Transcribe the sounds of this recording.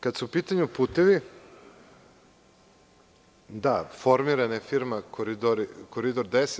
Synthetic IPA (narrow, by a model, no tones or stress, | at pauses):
kad̪supiːt̪aɲupuːt̪eʋi | d̪afo̞ɾmiɾanaefiɾmakoɾid̪oɾikoɾid̪oɾd̪es